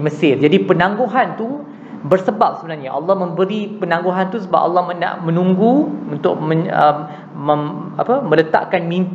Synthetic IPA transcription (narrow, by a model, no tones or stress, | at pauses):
məsɪrd͡ʒadipənãŋɡoɦant̪u | bərsəbap̚səbənarɲaʔɑ̰lːɑhmə̃mbəɾipənãŋɡoɦant̪usəba̰p̚ʔɑ̰lːɑhməna̰ʔmə̃nũŋɡuunt̪ʊ̰k̚məəmː | əmapəmə̃lət̪a̰ʔkanmĩmp